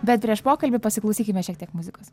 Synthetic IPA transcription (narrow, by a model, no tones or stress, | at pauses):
bʲɛt̪̚pʲɾʲiɛʃpoːkɐlʲbʲɪpɐsʲɪklˠɐʊsʲiːkʲɪmʲɛʃʲiɛkt̪ʲiɛkmʊzʲɪkoːs